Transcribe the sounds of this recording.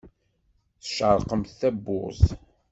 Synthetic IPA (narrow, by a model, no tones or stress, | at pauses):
θə̥ʃʕəɾˤqəmθθæbːʊ̰z